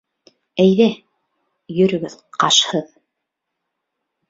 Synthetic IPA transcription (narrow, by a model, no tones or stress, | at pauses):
æjðæ | jɵ̆ɾɵ̆ɡɵðqɑʃhɤð